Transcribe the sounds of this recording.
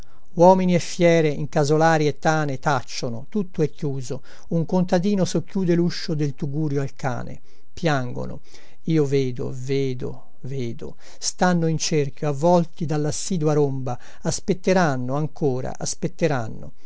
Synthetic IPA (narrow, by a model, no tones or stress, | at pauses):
wɔːminiɛfːjɛːɾeiŋkazolaːɾiet̪ːaːnet̪at͡ʃːonot̪ut̪ːoɛkːjuːzo | uŋkont̪ad̪iːnosokːjuːd̪eluʃːod̪elt̪uɡuːɾjoalka̰ːnḛ | pjaŋɡo̰no̰ | iːoveːd̪o̰veːd̪o̰ | veːd̪o̰ | st̪anːoint͡ʃerkjoavːɔlt̪id̪alːasːiːd̪waɾomba | aspet̪ːeɾanːoaŋkoːɾa̰ʔaspet̪ːeɾa̰nːo̰